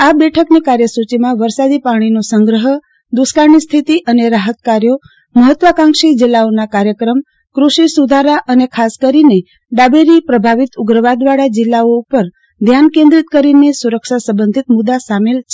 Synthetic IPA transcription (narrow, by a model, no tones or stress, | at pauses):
abɛʈʰəknekaɾjəsut͡ʃimãʋəɾsad̪ipaɽ̃inosəŋɡɾəɦə | d̪uskaɾɳist̪ʰit̪iʔəneɾaɦət̪kaɾjo | məɦət̪ʋəkãŋkʃid͡ʒilːaonakaɾjəkɾəm | kɾuʃisud̪ʱaɾaʔənekʰaskəɾine | ɖabeɾipɾəbʱaʋit̪ʊɡɾəʋad̪ʋaɽad͡ʒɪlːaoupəɾ | d̪ʱjankẽnd̪ɾit̪kəɾinesuɾəkʃasəbənd̪ʱit̪mʊd̪asamelt͡ʃʰe